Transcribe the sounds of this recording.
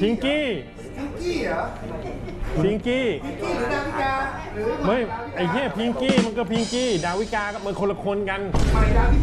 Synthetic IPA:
pʰi˧ŋkiː˥˩ | i˧ŋki˥˩ | pʰi˧˥ŋkiː˥˩˧a˧wi˦˥kaː˧ | mɯ˧˥˩jʔa˧˩jt̪ʰiː˥˩˨pʰi˧ŋkiː˥˩ma˧nkɔː˥˩pʰi˧ŋkiː˥˩daː˧wi˦˥˩kaː˧ka˦˩p̚ma˧kʰo˧la˧kʰo˧nka˧n˧

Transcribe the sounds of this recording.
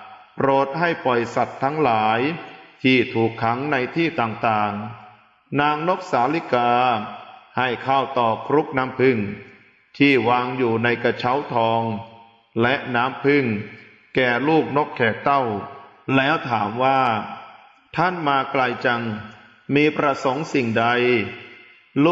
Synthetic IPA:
pɾoː˨˩t̪̚ha˥˩jpɔ˨˩jsa˨˩t̪ʰːa˦˥ŋlaː˩˦jt̪ʰiː˥˩t̪ʰuː˨˩kʰːa˩˦ŋna˧jt̪ʰiː˥˩t̪aː˨˩ŋt̪aː˨˩ŋ | naː˧ŋno˦˥k̚saː˩˦li˦˥kaː˧ | ha˥˩jkʰa˥˩wt̪ɔː˨˩kʰɾu˦˥k̚naː˦˥mpʰɯ˥˩ŋ | t̪ʰiː˥˩waː˧ŋjuː˨˩na˧jka˧t͡ɕʰa˦˥wt̪ʰɔː˧ŋ | lɛ˦˥ʔnaː˦˥mpʰɯ˥˩ŋ | kɛː˨˩luː˥˩k̚no˦˥kʰːɛː˨˩k̚t̪a˥˩w | lɛː˦˥wt̪ʰaː˩˦mwaː˥˩ | t̪ʰa˥˩nmaː˧kla˧jt͡ɕa˧ŋ | miː˧pɾa˧so˩˦ŋsi˨˩ŋda˧j | l

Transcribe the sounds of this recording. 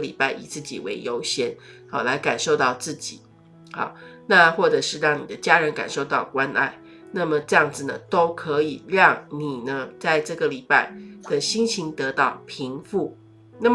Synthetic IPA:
li˨˩pa˥˩ɪʔḭ˨˩t͡sɹ̩˥˩t͡ɕḭ˨˩wḛ˧˥ɪjo˧˥ʊɕjɛ˥nhɑ˨˩la˧˥ɪka˨˩nʂo˥˧ʊt̪ɑ˥˧ʊt͡sɹ̩˥˩t͡ɕḭ˨˩˦ | hɑ̰˨˩˦na˥˧xwɔ˥˩ʈ͡ʂɤ˨˩ʂɻ̩˥˧ɻɑ˥˩ŋni˨˩d̪ə˦t͡ɕja˥ɻə˧˥nka̰˨˩nʂo˥˧ʊt̪ɑ˥˩ʊkwa˦˥nʔa̰˥˩ɪ | na˥˩mə˩ʈ͡ʂɤ˥˧jɑ˥˩ŋd͡zɹ̩˨˩nə̰˩t̪o˥ʊkʰɤ˧˦i˨˩ɻɑ˥˩ŋni˨˩nə˩t͡sa˥˧ɪʈ͡ʂɤ˥˩ɡə˩li˨˩pa˥˩ɪd̪̥ə˨ɕi˥nɕʰi˧˥ŋt̪ɤ˧˥t̪ɑ˥˩ʊpʰi˧˥ŋfu˥˩ | na˥˩

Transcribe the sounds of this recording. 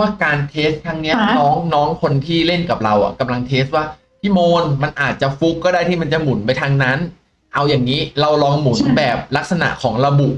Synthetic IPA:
waː˥˩kaː˧nt̪ʰeː˦˥st̪ʰːaː˧ŋni˦˥ɐnɔː˦˥ŋnɔː˦˥ŋkʰo˧nt̪ʰiː˥˩le˥˩nka˨˩p̚ɾa˧wʔa̰˨˩ka˧mla˧ŋt̪ʰeː˦˥st̪̚waː˥˩ | t̪ʰiː˥˩moː˧nma˧nʔaː˨˩t̪̚t͡ɕa˨˩fu˦˥kːɔː˥˩daː˥˩jt̪ʰiː˥˩ma˧nt͡ɕa˨˩mu˩˦npa˧jt̪ʰaː˧ŋna˦˥n | ʔa˧wjaː˨˩ŋniː˦˥ɾa˧wlɔː˧ŋmu˨˩˦nbɛː˨˩p̚la˦˥k̚sa˧na̰˨˩ʔkʰɔː˩˦ŋɾa˧bu˨˩ʔ

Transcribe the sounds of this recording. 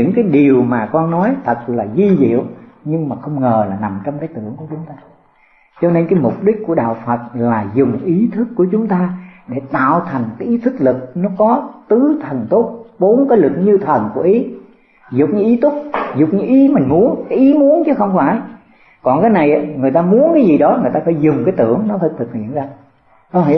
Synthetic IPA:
ɲɨ̰˧˥ŋkaː˨˦jɗi˨˩əwmaː˨˩kɔ˧nːɔ˨˦jt̪ʰə˨˩t̚laː˨˩zwi˧zḭ˧˨ə˨wɲɨ˧ŋmaː˨˩xə˧wŋ͡mŋəː˨˩laː˨˩na˨˩mt͡ɕɔ˧wŋ͡mkaː˨˦jt̪ɨ̰˧˩˨əŋku˧˩ət͡ɕʊ˨˦ŋ͡mt̪aː˧ | t͡ɕɔ˧ne˧nkaː˨˦jmʊ˨˩k͡p̚ɗi˦˥k̟̚ku˧˩əɗa̰ː˧˨wfə˨˩t̚laː˨˩zʊ˨˩ŋ͡mʔi˨˦t̪ʰɨ˦˥kːu˧˩ət͡ɕʊ˨˦ŋ͡mt̪aː˧ɗe˧˩t̪a̰ː˧˨wt̪ʰa˨˩jŋ̟kaː˨˦jʔi˨˦t̪ʰɨ˦˥k̚lɨ˨˩k̚nɔ˨˦kɔ˨˦t̪ɨ˨˦t̪ʰə˨˩nt̪o˦˥t̚ɓo˨˦nkaː˨˦jlɨ˨˩k̚ɲɨ˧t̪ʰə˨˩nku˧˩əʔi˨˦ | zʊ˨˩k͡p̚ɲɨ̰˨˧˦ŋʔi˨˦t̪ʊ˦˥k͡p̚zʊ˨˩k͡p̚ɲɨ˧˦ŋʔi˨˦mï˨˩ŋmu˨˦ənkaː˨˦jʔi˨˦mu˨˦ənt͡ɕɨ˨˦xə˧wŋ͡mfaː˧˩j | kɔ˨˩nkaː˨˦jna˨˩jʔa˨˦ŋɨ˨˩əjt̪aː˧mu˨˦ənkaː˨˦jzi˨˩ɗɔ˨˦ŋɨ˨˩əjt̪aː˧faː˧˩jzʊ˨˩ŋ͡mkaː˨˦jt̪ɨ̰˧˩əŋnɔ˨˦t̪ʰɨ˨˩k̚t̪ʰɨ˨˩k̚ḭ˧˨ənzaː˧˨

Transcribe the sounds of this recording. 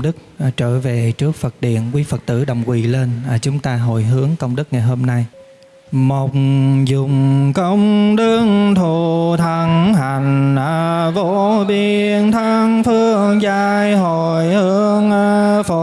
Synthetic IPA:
ɗɨ˦˥k̚ːt͡ɕəː˧˩ve˨˩t͡ɕɨ˦˥ək̚fə˨˩t̚ɗḭ˧˨ənkwi˨˦fə˨˩t̚t̪ɨ̰˧˩ɗə˨˩wŋ͡mkwḭ˧˨˩le˧nː˨˩t͡ɕʊ˨˦ŋ͡mt̪aː˧ɦo̰˧˨jɦɨ˨˦əŋkə˧wŋ͡mɗɨ˦˥k̚ŋa˨˩jɦo˧mna˧j | mo˨˩wk͡p̚ŋ͡mzʊ˨˩ŋ͡mkə˧wŋ͡mɗɨ˧ŋt̪ʰu˨t̪ʰə˨˩ŋha˨˩jŋ̟ʔəː˨˩ | vo˧˥ | ɓi˧˨˩ | ənt̪ʰə˧ŋfɨ˧ə | ŋzaː˧jɦo˧˨˩jhɨ˧əəŋʔə˧ | fo˧˨

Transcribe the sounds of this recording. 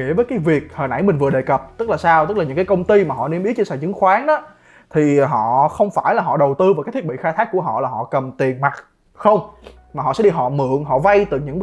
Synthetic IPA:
ḭ˧˥əvəː˨˦jkaː˨˦jvi˨˩ək̚həː˨˩jnʔa˧˥jmï˨˩ŋ̟vɨ˨˩ə˩ɗe˨˩kə˨˩p̚t̪ɨ˦˥k̚la˨˩saː˧wt̪ɨ˦˥k̚la˨˩ɲɨ̰˧˥ŋkaː˨˦jkə˧wŋ͡mt̪i˧maː˨˩ɦɔ̰˧˨ne˧mʔi˦t͡ɕe˧nsa̰ː˧˩t͡ɕɨ̰˧˦ŋxwaː˨˦nɗɔ˨˦ | t̪ʰi˨˩ɦɔ̰˧˨xə˧wŋ͡mfaː˧˩jlaː˨˩ɦɔ̰˧˨ɗə˨˩wt̪ɨ˧va˨˩kaː˨˦jt̪ʰi˦˥ɓḭ˧˨˧xaː˧t̪ʰaː˦˥k̚ːu˧˩əɦɔ̰˧˨laː˨˩ɦɔ̰˧˨kə˨˩mt̪i˨˩ənma˨˩t̚ | xə˧wŋ͡m | maː˨˩ɦɔ̰˧˨sɛ̰˧˥ɗi˧ɦɔ̰˧˨mɨ̰˧˨əŋɦɔ̰˧˨va˧jt̪ɨ˨˩ɲɨ̰˧˥ŋ

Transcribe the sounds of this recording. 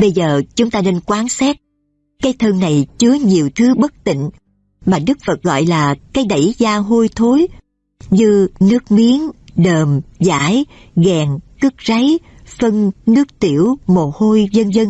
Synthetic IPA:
ɓə˧jzəː˨˩t͡ɕʊ˨˦ŋ͡mt̪aː˧ne˧nkwaː˨˦nsɛː˦˥t̚ | kaː˨˦jt̪ʰəː˧ŋna˨˩jt͡ɕɨ˨˦əɲi˨˩əwt̪ʰɨ˨˦ɓə˦˥k̚t̪ḭ̈˧˨ŋ̟ | maː˨˩ɗɨ˦˥k̚fə˨˩t̚ɣɔ̰˧˨jlaː˨˩kaː˨˦jɗa˧˩jzaː˧ɦo˧jt̪ʰo˨˦j | ɲɨ˧nɨ˦˥ək̚mi˨˦əŋɗəː˨˩mza̰ː˧˥j | ɣɛː˨˩ŋkɨ˦˥k̚za˨˦j | fə˧ŋnɨ˦˥ək̚t̪i˧˩əwmo˨˩ho˧jzə˧nzə˧n

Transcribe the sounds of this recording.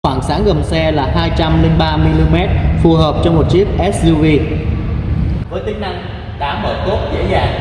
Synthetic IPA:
xwaː˧˩ŋsaː˨˦ŋɣə˨˩msɛ˧laː˨˩haː˧jt͡ɕa˧mlï˧ŋ̟ɓaː˧mi˧li˧mɛ˦˥t̚fu˨˩həː˨˩p̚t͡ɕɔ˧wŋ͡mmo˨˩t̚t͡ɕi˦˥əp̚ʔɛ˦˥s̚zu˧vi˧ | vəː˨˦jt̪ï˨˦ŋ̟na˧˩ŋ | ɗa̰ː˨˦məː˧˩t̪o˦˥p̚zḛ˧˥zaː˨˩ŋ

